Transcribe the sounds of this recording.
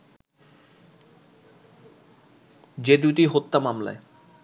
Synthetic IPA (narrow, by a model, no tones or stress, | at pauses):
d͡ʑed̪uʈiɦot̪ːamamla̰e